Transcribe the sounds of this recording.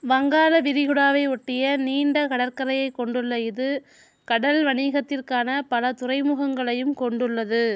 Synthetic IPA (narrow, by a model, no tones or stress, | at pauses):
ʋɐŋɡaːlɐʋɪɾɪɣɯɽaːʋɐɪɔʈːɪjɐniːɳɖɐkɐɽɐɾkɐɾɐjɐɪkːɔɳɖɯɭːɐɪðɯ | kɐɽɐlʋɐɳiːɣɐt̪ːɪrkaːnɐpɐlɐt̪ʊrɐɪmɯɣɐŋɡɐɭɐjɯmkɔɳɖɯɭːɐðɯ